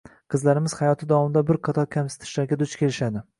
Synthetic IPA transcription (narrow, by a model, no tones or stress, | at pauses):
qʰɨzlaɾɪmɪz̥hɑjɒt̪ʰɪd̪ɒvɒmɪd̪abɪɾkʰat̪ʰɒkʲʰamsɪ̥t̪ʰɪ̥ʃlaɾɡʲad̪ʊt͡ʃkʲe̞lɪʃad̪ɪ